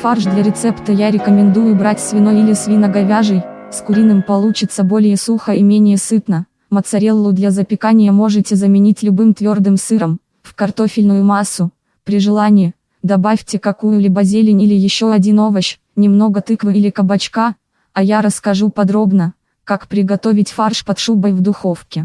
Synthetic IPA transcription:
farʐd̪lʲɐɾʲɪt̪sɛpt̪əjaɾʲɪkəmʲɪnd̪ujʊbɾatʲsvʲɪnojilʲɪsvʲinəɡɐvʲaʐɨjskʊɾʲinɨmpɐlˠut͡ɕɪt̪səbo̞lʲɪjəsuxəimʲenʲɪjəsɨt̪nə | mət̪sɐɾʲelˠːʊd̪lʲɐzəpʲɪkanʲɪjəmo̞ʐɨtʲɪzəmʲɪnʲitʲlʲʊbɨmt̪vʲo̞rd̪ɨmsɨɾəm | fkɐrt̪o̞fʲɪlʲnʊjʊmasːʊ | pɾʲɪʐɨlˠanʲɪjɪ | d̪ɐbafʲtʲɪkɐkujʊlʲɪbɐzʲelʲɪnʲilʲɪjɪɕːo̞ɐdʲino̞vəɕ | nʲɪmno̞ɡət̪ɨkvɨilʲɪkəbɐt͡ɕka | ɐjaɾəskɐʐupɐd̪ɾo̞bnə | kakpɾʲɪɡɐt̪o̞vʲɪtʲfarʂpɐt̪ʂubəjvd̪ʊxo̞fkʲɪ

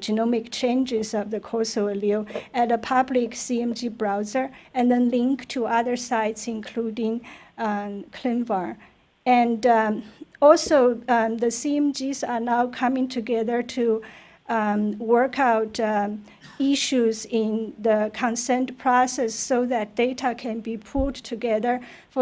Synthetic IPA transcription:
d͡ʒɨnɔmɪkt͡ʃʰẽɪ̃nd͡ʒɪzʌvðəkʰɔsoəlilɨtəpʰʌblɪksiɛ̃md͡ʒibɹaʊzə˞ɨ̃nðɛ̃nlɪ̃ŋktʰuʌðə˞saɪtsɪ̃nkʰl̥udɪ̃ŋ | kʰl̥ɪ̃nvəɹ | ɨ̃nd | ɔlˠsoʊðəsiɛ̃md͡ʒizə˞naʊkʰʌ̃mɪ̃ŋtʰɨɡɛðə˞tʰu | wɜ˞kʰaʊt | ɪʃuzɪ̃nðəkʰə̃nsɛ̃ntpʰɹ̥ɔsɛsːoʊðɨt̚d̥eɪɾʰəkʰɨ̃nbipʰʊttʰɨɡɛðə˞ | f

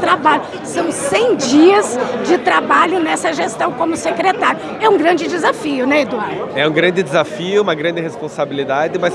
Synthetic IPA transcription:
t̪ɾabaʎʊ | sɐ̃w̃sẽj̃d͡ʒiɐsd͡ʒɪt̪ɾabaʎʊnɛsɐʒest̪ɐ̃w̃kõmʊsekɾet̪aɾjʊ | ɛũɡɾɐ̃d͡ʒɪd͡ʒɪzafiʊnɛed̪uaɾd̪ʊɛũɡɾɐ̃nd͡ʒ̪ɪd̪ɪzafiʊũmɐɡɾɐ̃nd̪ɪhespõsabilid̪ad͡ʒɪmɐs

